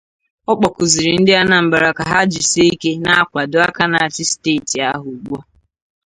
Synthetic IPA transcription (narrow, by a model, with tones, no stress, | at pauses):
ɔ˦k͡pɔ˨kʊ˨zi˨ɾi˨n̩˦dɪ˦a˦na˨m̩˨ba˨ɾa˨ka˨ɦa˦d͡ʒɪ˨si˦i˦ke˦na˦a˦kʷa˨dʊ˨a˦ka˦na˨a˨t͡ʃɪ˦steː˦˨ti˨a̰˦ɦʊ˨ɡ͡bɔ˦